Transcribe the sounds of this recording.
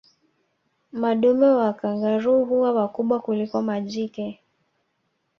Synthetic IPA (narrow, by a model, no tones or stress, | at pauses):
maɗumɛwakaŋɡaɾuɦuwawakuɓwakulikɔmaʄikɛ